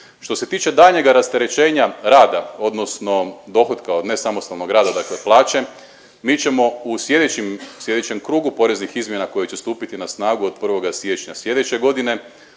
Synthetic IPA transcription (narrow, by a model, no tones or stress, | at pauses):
ʃt̪o̞se̞t̪iːt͡ʃe̞d̪aʎɲe̞ɡaɾast̪eɾet͡ʃe̞ːɲaɾaːd̪ao̞d̪no̞sno̞d̪o̞ːxo̞d̪kao̞d̪ne̞samo̞st̪alˠno̞ɡɾaːd̪ad̪akleplˠaːt͡ʃe̞ | miːt͡ɕe̞mo̞usje̞d̪et͡ɕimsje̞d̪et͡ɕemkɾuːɡupo̞ɾe̞znixizmje̞nakojet͡ʃe̞st̪uːpit̪inasnaːɡuod̪̥̚pr̩ʋo̞ɡasje̞t͡ʃɲasjʲed̪et͡ɕeɡo̞d̪ine̞